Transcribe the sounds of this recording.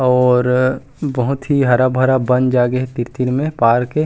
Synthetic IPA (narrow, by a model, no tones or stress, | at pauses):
ɔːɾ | bɐɦʊt̪ɦiɦɐɾabʱɐɾabɐ̃nd͡ʒaːɡeɦt̪ɪɾt̪iɾmẽpaːɾke